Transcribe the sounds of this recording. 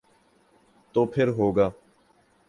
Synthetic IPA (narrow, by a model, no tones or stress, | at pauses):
t̪oːpʰɪɾɦoːɡaː